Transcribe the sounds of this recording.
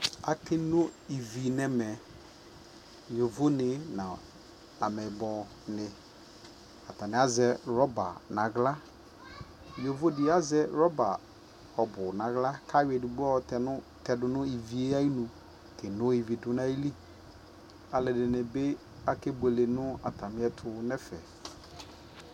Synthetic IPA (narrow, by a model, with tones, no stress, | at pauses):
a˨kɪ˦nʊ˦i˨vi˨nɛ˨mɛ˨ | jo˨vo˦nɪ˨nã̰˨ | a˨mɛ˨bɔ˨ | nɪ˨ | a˨ta˨nɪ˨˦a˦zɛ˨˦ɾɔ˦ba̰˨nã˨ɡla˦ | jo˨vo˦dɪ˨˦a˦zɛ˦ɾɔ˦ba˨ | ɔ˨bʊ˨nã˨ɣla˦kʰa˦we˨dʊ˨ɡ͡bɔ˦˨tɛ˨nʊ̃˦tɛ˨dʊ˨nʊ̃˦i˨vi˨e˦a˦i˦nũ˨ | kɪ˨nʊ̃˦i˨vi˨dʊ˨nã˦i˦li˦ | a˨lɪ˨dɪ˨nɪ̃˨be˦ | a˦ke˦be˨le˨nʊ̃˦a̰˨tʰa˨mɪ˦ɛ˦tʰʊ˨˦nɛ˦fɛ̰˨